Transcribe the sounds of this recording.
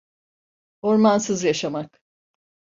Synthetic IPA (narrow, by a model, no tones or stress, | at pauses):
o̞ɾmansɯzjaʃamak